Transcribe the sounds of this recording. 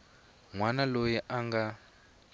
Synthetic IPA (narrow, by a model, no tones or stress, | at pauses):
ŋwanalojiʔaŋɡa